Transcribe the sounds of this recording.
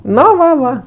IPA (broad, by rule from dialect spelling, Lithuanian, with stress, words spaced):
ˈnoː ˈʋɐ ˈʋɐ